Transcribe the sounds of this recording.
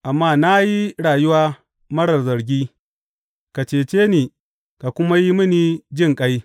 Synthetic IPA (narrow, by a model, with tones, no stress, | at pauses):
ʔa˨mːaː˦na˦ji˦ɽaː˨jʊ˦waː˦ | mɐ˦ɽɐ˨rzɐ˨ɾɡʲiː˦ | ka˨t͡ʃeː˨t͡ʃeː˦niː˨ | ka˨kʷʊ˦ma˦ji˦mɪ˦niː˦d͡ʒɪ˦˨ŋkʼa˦j